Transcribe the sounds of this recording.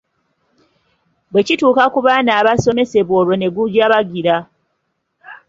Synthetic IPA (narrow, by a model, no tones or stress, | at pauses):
bwe̞cituːkakuβaːnaːβaso̞me̞se̞βoːɾwo̞ne̞ɡuɟaβaɡiɾa